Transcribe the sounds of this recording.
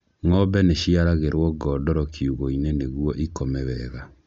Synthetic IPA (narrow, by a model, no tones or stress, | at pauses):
ŋɔbɛneɕiaɾaɣeɾwɔɡɔːdɔɾɔkʰiuɣoineneɣwɔʔikomɛβɛɣa